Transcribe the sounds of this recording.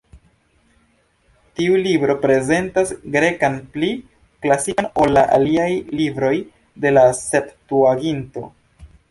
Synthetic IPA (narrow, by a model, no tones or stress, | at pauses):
tiulibɾo̞pɾe̞ze̞ntasɡɾe̞kanpli | klasiano̞lːaʔa̰liajlibɾo̞j | de̞laseptuaɡinto̞̰